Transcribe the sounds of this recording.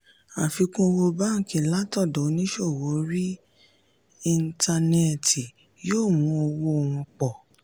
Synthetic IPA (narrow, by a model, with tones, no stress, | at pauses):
a˨fi˧kũ˦˧wo˧ba˦ŋ̩˨kĩ˨la˦tɔ˦˨dɔ˨˦nĩ˦ʃo˦˨wo˨˦ɾi˦ | i˧nta˧nɛ˦˨ti˨ | joː˦˨mũ˨˦o˧wo˦o˧˨w̃ɔ̃˧k͡pɔ˨